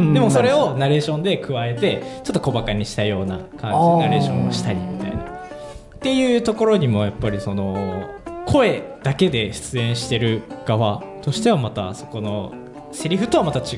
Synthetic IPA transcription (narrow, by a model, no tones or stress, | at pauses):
dd̪e̞mo̞so̞ɾe̞o̞naɾe̞ːɕõ̞nd̪e̞kɯ̟βae̞t̪e̞t͡ɕot̪ːo̞ko̞bakaɲ̟iɕi̥t̪ajo̞ːna̰kãnd͡ʑinaɾe̞ːɕõ̞o̰ɕi̥t̪aɾʲimʲit̪a̰ina̰ | t̪e̞jɯ̟ːt̪o̞ko̞ɾo̞ɲ̟imo̞japːaɾʲiso̞no̞ | kʰo̞e̞d̪̥ake̞d̪e̞ɕɨ̥t͡sɨẽ̞ɰ̃ɕi̥t̪e̞ɾɯ̟ɡ̥aβat̪o̞ɕi̥t̪e̞β̞amat̪a̰so̞̥ko̞no̞ | se̞ɾʲiɸɯ̟t̪o̞βamat̪at͡ɕi